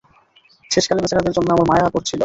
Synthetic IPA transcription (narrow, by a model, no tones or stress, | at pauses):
ʃeʃkalebet͡ɕʰeɾad̪eɾd͡ʑonːoɛmolmajɦakoɾt͡ɕʰilo